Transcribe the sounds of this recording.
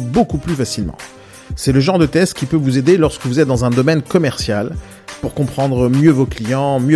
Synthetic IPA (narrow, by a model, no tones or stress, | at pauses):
bokuplyfasilmɑ̰̃ | sɛləʒɑ̃ʁd̪ət̪ɛst̪kʲipøvuzed̪elɔʁskəvuzɛt̪̚d̪ɑ̃zɛ̃d̪ɔmɛnkɔmɛʁsjal | puʁkɔ̃pχɑ̃d̪ʁəmjøvoklijɑ̃mjø